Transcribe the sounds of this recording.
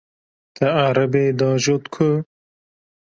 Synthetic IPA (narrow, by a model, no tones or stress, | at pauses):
t̪ɐaɾɐbeːd̪ɑːʒoːt̪kʰu